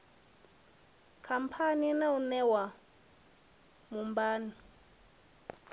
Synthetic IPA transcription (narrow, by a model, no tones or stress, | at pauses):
kʰampʰaninaunɛwa | mumbaːni